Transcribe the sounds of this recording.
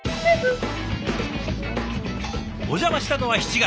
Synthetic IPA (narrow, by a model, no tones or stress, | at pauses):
o̞ʑamaɕi̥t̪ano̞βaçi̥t͡ɕiɡa